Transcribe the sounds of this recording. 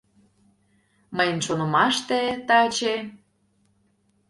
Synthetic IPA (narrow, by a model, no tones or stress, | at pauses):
məjənʃonə̆mɑʃt̪et̪ɑt͡ɕe